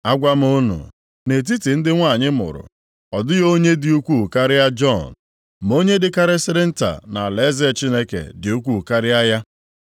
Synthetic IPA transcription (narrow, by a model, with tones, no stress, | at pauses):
a˦ɡʷa˦m̩˦o˦nṵ˨ | ne˨t̬i˦ti˨n̩˦dɪ˦ŋʷa˦˨ɲɪ˦mʊ̰˨ɾʊ̰˨ | ɔ˨dʊ˦jo˦ɲe˦dɪ˦u˦kʷu˦˨ka˦ɾɪ˦a˦d͡ʒɔ˦˨n | m˨o˦ɲe˦dɪ˦ka˦ɾɪ˦sɪ˦ɾɪ˦n̩˦ta̰˨na˨le˨˦zɛ˦˨t͡ʃi˦ne˦kḛ˨dɪ˨u˦kʷu˦˨ka˦ɾɪ˦a˦ja˦